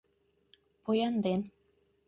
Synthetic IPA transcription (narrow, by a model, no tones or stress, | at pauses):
pojɑnd̪en